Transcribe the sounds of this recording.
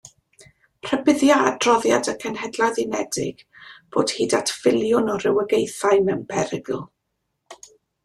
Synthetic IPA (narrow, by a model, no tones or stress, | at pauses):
r̥əbɪðjadrɔðja̰dəkʰənhɛdlˠaðinɛdɪ̰ɡ̥b̥o̰ːd̥hiːdatʰfɪlˠjʊnɔrɪwəɡejθaɨmɛwnpʰɛɾɪɡl̩